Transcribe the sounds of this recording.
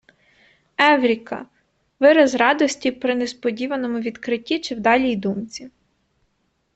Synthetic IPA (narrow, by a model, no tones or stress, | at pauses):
ɛwɾʲikɐ̰ | ʋɪɾɐzɾɑd̪ɔsʲtʲipɾɪnespɔdʲiʋɐnɔmʊʋʲid̪kɾɪtʲːit͡ʃɪwd̪ɑlʲijd̪umt͡sʲi